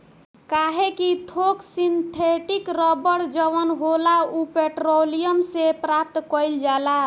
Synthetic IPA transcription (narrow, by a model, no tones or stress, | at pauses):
kaɦekit̪ʰoksint̪ʰeʈikɾɔbəɽd͡ʒəʋənɦolaupeʈɾolijəmsepɾap̚t̪kəjld͡ʒala